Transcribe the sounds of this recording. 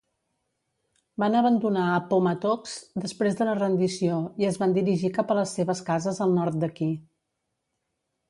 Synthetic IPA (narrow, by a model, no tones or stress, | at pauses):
banəβənd̪unaəpomət̪ɔksd̪əspɾezd̪unərənd̪isioiəzβand̪iɾiʒikapələsːeβəskazəzəlˠnɔɾt̪̚d̪əki